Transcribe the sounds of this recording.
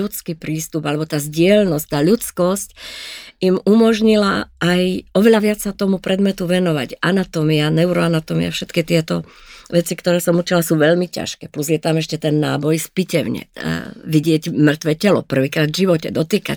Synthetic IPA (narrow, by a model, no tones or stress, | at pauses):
ut͡skipɾiːst̪ubalɛbɔt̪aːzɟɪɛlnɔsc̚t̪aːʎut͡skɔsc | imumɔʒɲila̰ʔːjɔʋɛʎaʋɪat͡ssat̪ɔmupɾʔɛd̪mɛt̪uʋɛnɔʋa̰ɟanat̪ɔmianɛuɾɔanat̪ɔmḭa̰fʃɛt̪kit̪ɪɛt̪ɔʋɛt͡sikt̪ɔɾɛːsɔmut͡ʃilasuʋɛʎmica̰ʃkɛːpluzjɛt̪amɛʃcɛt̪ɛnːa̰ːbɔjspicɛʊɲɛ̰ʋiɟɪɛɟmr̩t̪ʋɛːcɛlɔ̰pr̩ʋiːkɾaːd̪vʒiʋɔcɛ̰d̪ɔt̪iːka̰c